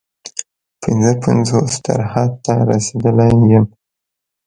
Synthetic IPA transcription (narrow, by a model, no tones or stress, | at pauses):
pɪnzəpanzosd̪a̰ɾhad̪̚t̪aɾa̰sed̪əlajjəm